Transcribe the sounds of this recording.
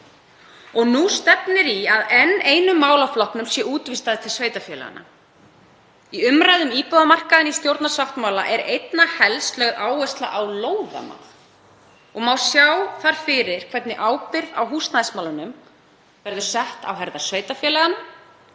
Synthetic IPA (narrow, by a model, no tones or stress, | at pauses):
ɔɣnust̪ɛpnɪɾiaðɛnːeːjnʏmːaːwlaflɔhpnʏmsjɛuːt̪vɪst̪aðɪt̪ʰɪlsveːjt̪afjɛlɛ̰ɣa̰na̰ | iʏmɾaːjðʏmiːpœðamar̥kaðɪnist̪jowɾt̪nasaft̪maːwla̰ʔɛɾejt̪nahɛlst̪lœɣðaːwɛst̪laʔawloːwða̰ma̰l | ɔɣmaːwsjawθaɾ̥fɪɾɪɾ̥kʰvɛt̪nɪʔaːwpɪɾðawɦuːst̪naðɪsmawlʏnʏm | vɛɾðʏ̥sɛht̪a̰wɦɛɾðḁsveːjt̪afjɛːlɛɣana